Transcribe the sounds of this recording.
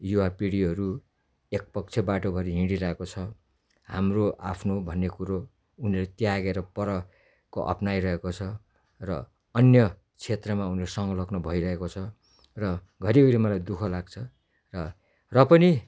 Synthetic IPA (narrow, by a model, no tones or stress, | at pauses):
juwapiɽiɦʌɾu | ek̚pʌk̚t͡sʰebaʈobʱʌɾiɦĩɽiɾʌɦekot͡sʰʌ | ɦamroʔa̰pʰnobʱʌnːekuɾo | unilet̪jaɡeɾʌpʌɾʌ | koʔʌ̰pnajɾʌɦekot͡sʰʌ | rʌ | ʌnjʌ | t͡sʰet̪rʌmauneɾosʌŋɡʌlʌɡnʌbʱʌiɾʌɦekot͡sʰʌ | rʌ | ɡʱʌɾiɡʌɾimʌlajd̪ukʰʌlaɡ̚t͡sʰʌ | rʌ | rʌpʌni